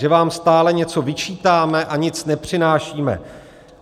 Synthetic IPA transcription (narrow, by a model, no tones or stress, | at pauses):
ʒɛvaːmst̪aːlɛɲɛt͡so̞vɪt͡ʃiːt̪aːmɛʔaɲɪt͡snɛpr̝̥ɪnaːʃiːmɛ̰